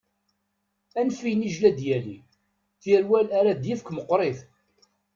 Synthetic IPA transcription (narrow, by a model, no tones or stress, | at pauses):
ænfijniʒlæd̪jælḭ | θjæɾwælæɾad̪jifkʷməqːɾˤɪθ